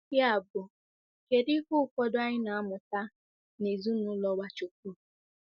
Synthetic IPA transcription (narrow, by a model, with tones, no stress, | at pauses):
ja˨bʊ˨ | ke˨dɪ˦kʊ˦fɔ˦dʊ˦a˦ɲɪ˦na˨a˦mʊ˨ta˦ | ne˨zu˦nʊ˨˦lɔ˦wa˦t͡ʃo˨k̚u˦˨